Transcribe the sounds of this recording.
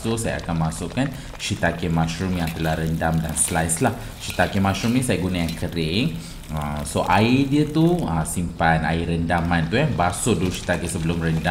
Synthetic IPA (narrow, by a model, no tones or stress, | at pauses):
susaja̰a̰kanmãsʊʔkan | ʃit̪akemãʃɾumjaŋt̪əlahɾəndamdanslajslah | ʃit̪akemãʃɾumnĩsajaɡunajaŋkəɾɪŋ | əmsoʔaidiət̪uəsimpana̰iɾəndamãnt̪ukabasʊduʃi̥t̪akesəbəlʊmrənda